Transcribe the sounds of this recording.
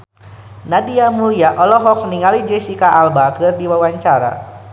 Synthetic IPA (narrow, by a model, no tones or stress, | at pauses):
nadiamuliaʔɔlɔɦɔk̚niŋalid͡ʒɛsikaʔalbakɨrdiwawaɲt͡ʃaɾa̰